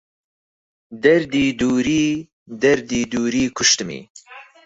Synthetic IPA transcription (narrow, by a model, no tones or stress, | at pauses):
d̪ɛɾd̪iːd̪uːɾiː | d̪ɛɾd̪iːd̪uːɾiːkʰʊʃt̪ɨmḭː